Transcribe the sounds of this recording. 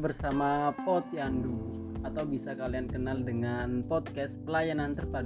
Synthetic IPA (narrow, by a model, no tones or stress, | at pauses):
bərsamapɔt̪jandu | at̪awbisakaliankənaldəŋanpɔd̪̚kɛspəlajanant̪ərpad